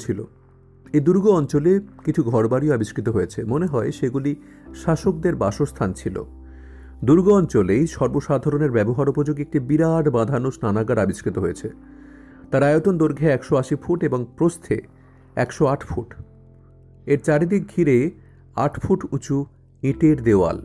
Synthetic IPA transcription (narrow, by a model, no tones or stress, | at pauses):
t͡ɕʰilo̰ | ejd̪uɾɡoɔnt͡ɕolekit͡ɕʰuɡʱɔɾbaɾioabiʃkɾit̪oɦojet͡ɕʰemoneɦɔeʃeɡuliʃaʃokd̪eɾbaʃost̪ʰant͡ɕʰilo̰ | d̪uɾɡoɔnt͡ɕolejʃɔɾboʃad̪ʱaɾoneɾbɛboɦaɾupod͡ʑoɡek̚ʈibiɾaɖbãd̪ʱanosnanaɡaɾabiʃkɾit̪oɦojet͡ɕʰe | t̪aɾajot̪ond̪oɾɡʱeɛkʃoaʃifʰuʈeboŋpɾost̪ʰḛ | ɛkʃoaʈʰfʰuʈ | eɾt͡ɕaɾid̪ik̚ɡʱiɾe | a̰ʈʰfʰuʈut͡ɕu | ĩʈeɾd̪eoa̰l